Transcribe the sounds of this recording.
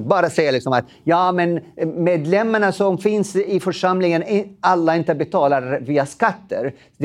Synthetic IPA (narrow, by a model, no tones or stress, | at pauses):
bɑːɾasɛjːalɪksɔmat̪ | jɑːmɛnmeːd̪lɛmːaɳasɔmfɪnsɪfœʂamlɪŋənalːaɪnt̪əbɛt̪ʰɑːlaɾviːaskat̪ːə̰ɾ | d̪